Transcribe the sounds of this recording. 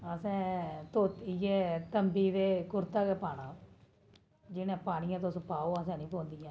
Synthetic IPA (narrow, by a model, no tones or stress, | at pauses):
əsɛ̃ːt̪oːt̪iɛːt̪əmbiːd̪eːkʊɾt̪aːkɛːpaːɽ̃ãː | d͡ʒɪnẽːpaːɽ̃ɪjãːt̪õːsəpaːoːəsɛ̃ːnĩːpõːnd̪ijãː